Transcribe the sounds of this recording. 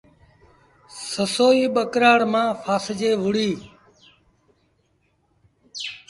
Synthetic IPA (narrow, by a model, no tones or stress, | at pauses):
səsoːiːɓəkɾaːɽmãːfʰaːsd͡ʒeːʋʊɽiː